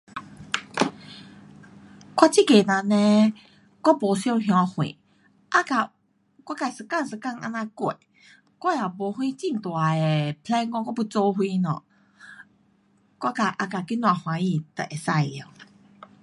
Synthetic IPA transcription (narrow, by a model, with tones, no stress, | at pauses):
kwa˦t͡ɕi˦˨ke˨nã˨˧˨nɛ̃˧ | kɔ˦po˨˦sjo˥˧˨ɦjɔ̃˧hwḭ̃˨ | ʔa˦ka˨ | kwa˦ka˧˨sɨ˨ka˥˨ŋsɨ˨ka˥˧˨ŋʔa̰˧nã˧kwe˨ | kwa˦ja˨˩bɔ˨˦hwĩ˦t͡ɕi˧˨ŋt̪wa˨e˨pʰlɛ˦nkɔ̃˧˦kɔ˦pu˧˦t͡so˧ɦwi˦nɔ̰̃˨ | kwa˦ka˧˨˩ʔa˧ka˨˩ki˦nw̃a˨hw̃ã˨˦ĩ˧t̪ə˨ʔe˨sa˧˩ja˨